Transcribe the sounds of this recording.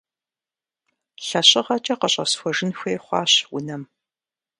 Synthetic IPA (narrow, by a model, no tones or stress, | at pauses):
ɬɐɕʼɪʁɐt͡ʃʼɐqəɕʼɐ̰sxʷɔʒɪnxʷeːχʷɑ̰ːɕwʊ̰nɐm